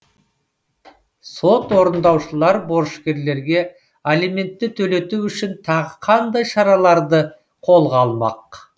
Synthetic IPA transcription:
so̞t̪wo̞ɾənd̪ɑwʃəlˠɑɾbo̞ɾʃkʲe̞ɾle̞ɾɡʲe̞ | elime̞nt̪ːɪt̪ʰɵle̞t̪uwʏʃɪnt̪ʰɑʁəqʰɑnd̪ɑjʃɑɾɑlˠɑɾd̪ə | qʰo̞lˠʁɑːlˠmɑ̰q

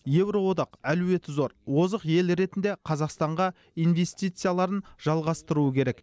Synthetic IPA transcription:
je̞wɾo̞wo̞d̪ɑqæluwe̞t̪zo̞ɾwo̞zəqje̞lɾe̞t̪ɪnd̪e̞qʰɑzɑqst̪ɑɴʁɑ | ijnve̞st̪ijt̪sɨjalˠɑɾənʒ̥ɑlˠʁɑst̪əɾuəkʲʰe̞ɾe̞k

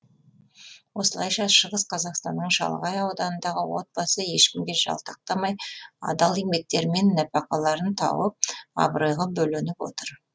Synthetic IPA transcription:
wo̞səlˠɑjʃɑʃəʁəsqʰɑzɑqst̪ɑnːəɴʃɑ̰lˠʁɑjɑwd̪ɑnənd̪ɑʁəwo̞̰t̪̚bɑsəje̞ʃkʲɪmɡʲe̞ʒɑ̰lˠt̪ʰɑq̚t̪ɑmɑjɑ̰d̪ɑlˠimbe̞k̚t̪e̞ɾme̞nːæpɑqɑlˠɑɾənt̪ʰɑ̰wəp̚ɑ̰bəɾəjʁəbɵlɪnɪpwo̞̰t̪əɾ

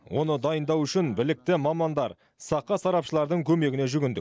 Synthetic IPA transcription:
wʔo̞nəd̪ɑjənd̪ɑwʏʃɪnbɪlɪk̚t̪ɪmɑmɑnd̪ɑɾ | sɑqːɑsɑɾɑpʃəlˠɑɾd̪əɴkʲʰɵme̞ɡʲɪne̞ʒʏɡʲɪnd̪ɪ̰k̚

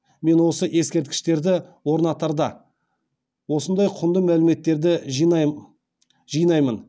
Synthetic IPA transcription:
me̞nwo̞səʔe̞skʲe̞ɾt̪̚kʲɪ̥ʃt̪e̞ɾd̪ɪwo̞ɾnɑt̪ɑɾd̪ɑ | wo̞sənd̪ɑjqʰʊnd̪əmælɪme̞t̪ːe̞ɾd̪ɪ | ʒijnɑjmən

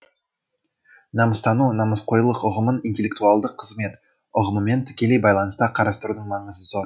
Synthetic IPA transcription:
nɑməst̪ɑnunɑməsqʰo̞jlˠəqʊʁəmənint̪ʲe̞lʲːekt̪uɑlˠd̪əqʰːəzme̞t̪ | ʊʁəməme̞nt̪ʰɪ̥kʲe̞le̞jbɑjlˠɑnəst̪ɑqʰɑɾɑst̪əɾud̪əɴmɑɴəzəsoɾ

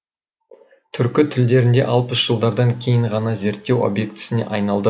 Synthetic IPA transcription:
t̪ʰʏɾkʲɪt̪ʰʏld̪e̞ɾɪnd̪e̞̰ʔɑlˠpəsʒ̥əlˠd̪ɑɾd̪ɑŋkʲʰe̞jɪɴʁɑnɑze̞ɾt̪ːe̞wo̰bje̞k̚t̪ʰɪ̥sɪnḛʔɑjnɑlˠd̪ə

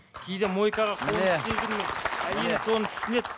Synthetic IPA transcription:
kʲʰejd̪emo̞jkɑʁɑqʰolˠt̪ʲezɡʲɪnmeæje̞lɪso̞nət̪ʰʏ̥sɪne̞t̪̚

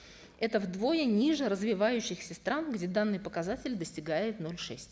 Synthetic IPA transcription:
ɛt̪əvd̪vo̞jənʲiʐəɾəzvʲɪvajʉɕːɪxsʲəst̪ɾanɡdʲed̪anːɨjpəkɐzatʲɪlʲd̪əsʲtʲɪɡajɪt̪no̞lʲʂɛsʲtʲ

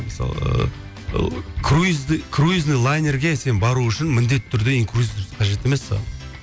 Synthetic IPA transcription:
məsɑ̰lˠə̰ | kʰruzkʰruiznɨjlˠajnʲerɡʲese̞nbɑɾuʏʃɪnmɪnd̪et̪ːɪt̪ʰʏɾd̪e̞iŋkruzʲit̪ʰʏɾsqʰɑʒe̞t̪e̞me̞sːɑ̰lˠ

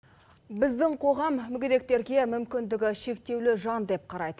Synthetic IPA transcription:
bɪzd̪ɪɴqʰo̞ʁɑmːʏɡʲɪd̪e̞k̚t̪e̞ɾɡʲe̞mʏmkʲɪnd̪ɪɡʲɪʃe̞k̚t̪e̞wlɪʒɑnd̪e̞p̚qʰɑɾɑjd̪ə

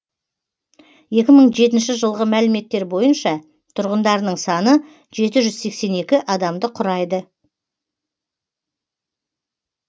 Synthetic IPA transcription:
je̞kʲɪməɴʒe̞t̪̬ɪnʃɪʒəlˠʁəmælɪme̞t̪ːe̞ɾbo̞jənʃɑ | t̪ʰʊɾʁənd̪ɑɾənəɴsɑnə | ʒ̥e̞t̪ɪʒʏzse̞kse̞ne̞kʲɪʔɑd̪ɑmd̪əqʰʊɾɑjd̪ə

